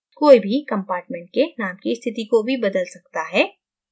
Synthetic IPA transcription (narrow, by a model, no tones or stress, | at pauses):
koːibʱikɐ̃mpaːɾʈmɛ̃ɳʈ̚kenaːmkist̪ʰɪt̪ikobʱibɐd̪əlsɐk̚t̪aɦɛː